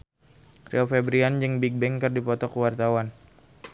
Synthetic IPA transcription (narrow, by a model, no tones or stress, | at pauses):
reofɛbɾiand͡ʒɨŋbik̚bɛŋkərdipɔt̪ɔkəwart̪awan